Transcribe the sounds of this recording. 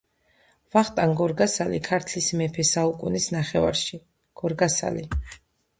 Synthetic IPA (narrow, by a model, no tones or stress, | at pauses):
vaχt̪ʼanɡɔɾɡasalḭkʰaɾt̪ʰlismɛpʰɛsaukʼunisnaχɛva̰ɾʃi | ɡ̥ɔɾɡasa̰li